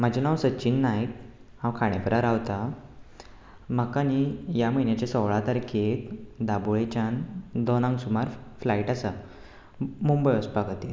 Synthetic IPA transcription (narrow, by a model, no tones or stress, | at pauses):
m̤əd͡ʑanawsət͡ɕinːajk | hãwkʰaɽ̃epəɾaɾawt̪a | m̤əkanijaməjnjat͡ɕasɔʋɭat̪əɾkʰet̪d̪abuɭet͡ɕand̪ɔnãŋɡsumaɾflaiʈasa | mumbəjəspaɡat̪i